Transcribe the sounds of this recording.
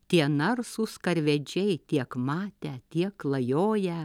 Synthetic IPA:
t̪ʲiɛnɐɾsʊskɐɾʲʋʲɛd͡ʒʲɛɪt̪ʲiɛkmɑːt̪ʲɛt̪ʲiɛklˠɐjoːjɛ

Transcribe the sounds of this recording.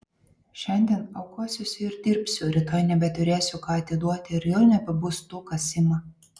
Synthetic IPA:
ʃʲɛnʲd̪ʲiɛnɐʊkuɔsʲʊsʲɪɾd̪ʲɪɾʲpʲsʲʊɾʲɪt̪ɔɪnʲɛbʲɛt̪ʊɾʲeːsʲʊkɑːɐt̪ʲɪd̪uɔt̪ʲɪɪɾjoʊnʲɛpɐbʊst̪uːkɐsʲɪmɐ

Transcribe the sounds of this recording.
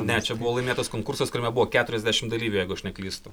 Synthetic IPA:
nʲɛt͡ʃʲɛbuʋoːlˠɐɪmʲeːt̪oːskoːŋkursoskʊɾʲɛmʲɛbuʋoːkʲæːt̪ʊɾʲɛzʲdʲæːʃʲɪmd̪ɐlʲiːʋʲujɛɪɡʊɐʃnʲɛklʲiːst̪ʊ

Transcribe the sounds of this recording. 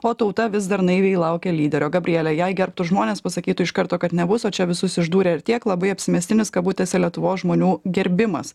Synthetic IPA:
oːt̪ɐʊt̪ɐʋʲɪz̬d̪ɐɾnɐɪʋʲeɛːɪlˠɐʊkʲɛlʲiːd̪ʲɛɾʲoːɡɐbʲɾʲɪɛlʲɛjɛɪɡʲɛɾp̚t̪ʊʒmoːnʲeːspɐsɐkʲiːt̪ʊɪʃkɐɾt̪oːkɐt̪nʲɛbʊsoːt͡ʃʲɛʋʲɪsʊsɪʒd̪uːɾʲeːt̪ʲiɛklˠɐbɐɪɐpʲsʲɪmʲɛːst̪ʲɪnʲɪskɐtbuːt̪ʲeɛsʲɛlʲiɛt̪ʊʋoːsʒmoːnʲuːɡʲɛɾʲbʲɪmɐ̰s

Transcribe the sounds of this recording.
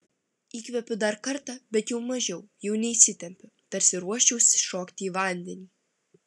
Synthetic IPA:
iːkʋʲɛpʲʊd̪ɐɾkɐɾt̪ɑbʲɛt̪jɛʊmɐʒʲɛʊjɛʊnʲɛisʲɪt̪ʲɛmʲpʲʊ | t̪ɐɾʲsʲɪɾuɔʃʲt͡ʃʲɛʊsʲʃoːkt̪ʲiiːʋɐˑnʲd̪ʲɛnʲiː

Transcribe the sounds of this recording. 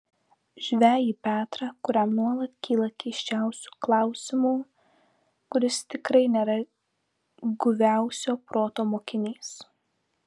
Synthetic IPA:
ʒʲʋʲæːjiːpʲæːt̪ɾɑkʊɾʲæmnuɔlˠɐt̪kʲiːlˠɐkʲɛɪʃʲt͡ʃʲæˑʊsʲu̥ːklˠɑˑʊsʲɪmuː | kʊɾʲɪst̪ʲɪkɾɐɪnʲeːɾɐ | ɡʊʋʲæˑʊsʲoːpɾoːt̪oːmoːkʲɪnʲiːs

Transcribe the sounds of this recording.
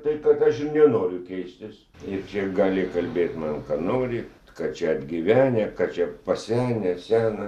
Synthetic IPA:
t̪ɐɪkɐt̪ɐʃɪnʲɛnoːɾʲʊkʲɛɪsʲt̪ʲɪs | ɪrt͡ʃʲɛɡɑːlʲɪkɐlʲbʲeːt̪mɐnkɑːnoːɾʲɪ | kɐt͡ʃʲɛɐd̪ʲɡʲiʋʲæːnʲɛkɑt͡ʃʲɛpɐsʲæːnʲɛsʲæːnɐ

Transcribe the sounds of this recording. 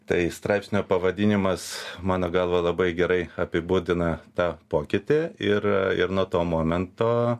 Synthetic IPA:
t̪ɐɪst̪ɾɑˑɪpʲsʲnʲoːpɐʋɐd̪ʲiːnʲɪmɐsmɑːnoːɡɐlˠʋɐlˠɐbɐɪɡʲɛɾɐɪɐpʲɪbuːd̪ʲɪnɐt̪ɑːpoːkʲɪt̪ʲɪɪɾɪ̰ɾnuːt̪oːmoːmʲɛnt̪oː

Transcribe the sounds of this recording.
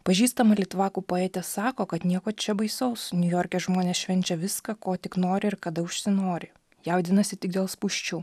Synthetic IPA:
pɐʒʲiːst̪ɐmɐlʲiɛt̪ʋɑːkuːpoːɛːt̪ʲesɑːkoːkɐt̪nʲiɛkoːt͡ʃʲɛbɐɪsɐʊsnʲʊjoːɾʲkʲɛʒmoːnʲeːsʃʲʋʲɛnʲt͡ʃʲɛʋʲɪskɐkoːt̪ʲɪknoːɾʲɪɪɾkɐd̪ɐʊʃʲsʲɪnoːɾʲɪ | jɛʊd̪ʲɪnɐsʲɪt̪ʲɪɡ̚d̪ʲeɛːlˠspuʃʲt͡ʃʲuː

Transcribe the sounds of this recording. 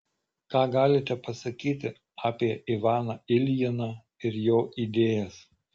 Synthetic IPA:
kɑːɡɑːlʲɪt̪ʲɛpɐsɐkʲiːt̪ʲɪ | ɑːpʲiɛʔɪʋɑːnɑɪlʲjɪnɑː | ɪɾjoːʔid̪ʲeːjɛs

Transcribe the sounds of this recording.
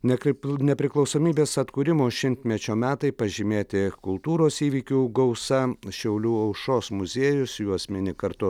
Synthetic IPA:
nʲɛkʲɪnʲɛpʲɾʲɪklˠɒʊsoːmʲiːbʲeːsɐt̪kuːɾʲɪmoːʃʲɪnʲt̪ʲmʲɛt͡ʃʲoːmʲæːt̪ɐɪpɐʒʲɪmʲeːt̪ʲɪkʊlˠt̪uːɾoːsiːʋʲiːkʲuːɡɐʊsɐʃʲɛʊlʲuːɐʊʃoːsmʊzʲeːjʊsjuɔɐsʲmʲɛnʲɪkɐɾt̪ʊ

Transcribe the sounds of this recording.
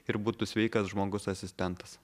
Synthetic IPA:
ɪɾbuːt̪usʲʋʲɛɪkɐsʒmoːɡʊsɐsʲɪsʲt̪ʲɛnt̪ɐs

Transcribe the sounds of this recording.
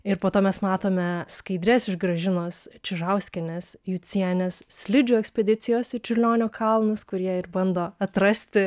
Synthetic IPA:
ɪɾpoːt̪oːmʲɛsmɑːt̪oːmʲɛskɐɪd̪ʲɾʲɛsɪʒɡɾɐʒʲɪnoːst͡ʃʲɪʒɐʊsʲkʲɛnʲesjuːt͡s̪ʲiɛnʲessʲlʲɪd͡ʒʲʊːɛksʲpʲɛd̪ʲɪt̪sʲɪjoːsɪt͡ʃʲʊlʲoːnʲoːkʰɐlˠnʊskʊɾʲiɛɪɾbɐnd̪oːɐt̪ɾɐsʲt̪ʲɪ

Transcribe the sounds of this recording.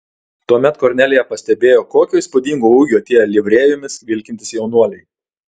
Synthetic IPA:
t̪uɔmʲɛt̪koɾʲnʲælʲejɛpɐsʲt̪ʲɛbʲeːjoːkoːkʲoːɪspʊd̪ʲiːŋɡoːuɡʲoːɐt̪ʲiɛjlʲɪʋʲɾʲeːjʊmʲɪsʋʲɪlʲkʲɪnʲt̪ʲɪsjɛʊnuɔlʲɛɪ

